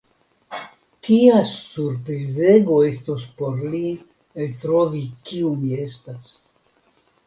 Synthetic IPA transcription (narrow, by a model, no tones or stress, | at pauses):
tiasuɾpɾizeɡo̞e̞stuspo̞ɾli | elt̪ɾovikiumie̞stas